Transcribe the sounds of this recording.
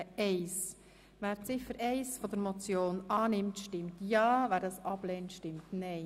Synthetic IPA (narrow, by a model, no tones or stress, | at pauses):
ɛɪs | væːɾt͡sɪfəɾʔɛɪsfɔd̪əɾmɔt͡sjoːnɑːnɪmtʃtɪmtjɑːvæːɾdɑːsɑb̥leːntʃtɪmtnɛɪ